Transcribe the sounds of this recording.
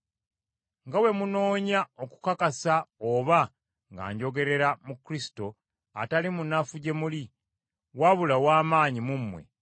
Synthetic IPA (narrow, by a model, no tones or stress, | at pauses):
ŋɡawe̞muno̞ːɲaoku̥kakasaoβa | ŋɡa̰ːɲɟo̞ɡe̞ɾe̞ɾamukɾisi̥to̞ | a̰talimunːafuɟe̞muli | waβulawaːmaːɲimumːwe̞̰